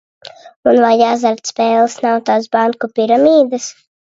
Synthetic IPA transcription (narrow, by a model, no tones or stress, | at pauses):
unvajazaɾt̪spʲɛːlˠsnawt̪aːd̪sbaŋkupiɾamiːd̪as